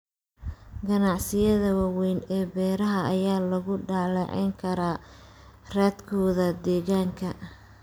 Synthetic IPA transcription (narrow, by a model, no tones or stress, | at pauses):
ɡɐnɑʕsɪjɐðɐwɑːwɛjnɛːbɛːɾɐɦɐɐjaːlɐɣʊɖaːlɛʕɛ̰ŋkʰɐɾaː | raːd̪kʰɔːðɐd̪ɛːɣaːŋkʰɐ